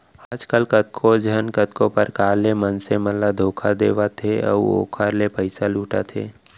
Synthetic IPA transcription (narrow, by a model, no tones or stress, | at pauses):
aːd͡ʒkəlkət̪̚kʰod͡ʒʱənkət̪kõpəɾkaːlemənseməlːad̪ʱoːkʰad̪eːʋat̪ʰeə̰o̰ːkʰaːɾlepəɪsaluːʈa̰t̪ʰḛː